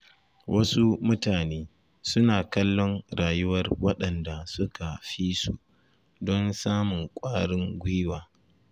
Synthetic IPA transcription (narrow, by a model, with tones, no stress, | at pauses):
wʔɐ˦su˦mʊ˦taː˨neː˦ | sʊ˦naː˨kɐ˦lːɔ˦ŋɽaː˨jʊ˦wɐ˦rwɐ˦ɗɐ˨nda˨sʊ˦ka˨ɸiː˦sṵ˨ | dɔ˦nsaː˦mʊ˨ŋkʷʼaː˦ɽɪ˦ŋɡʷʊ˦waː˨